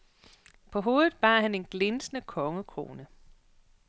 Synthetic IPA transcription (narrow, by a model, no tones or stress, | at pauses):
pʰɒ̽ɦo̝ːð̩ˠb̥ɑ̈ːhæne̝nɡ̥le̝nsənəkʰɒ̽ŋəkʰʁo̝̰ːnə